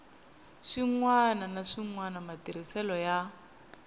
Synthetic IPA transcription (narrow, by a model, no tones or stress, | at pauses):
ʂiŋwananaʂiŋwanamatiɾ̤isɛlɔja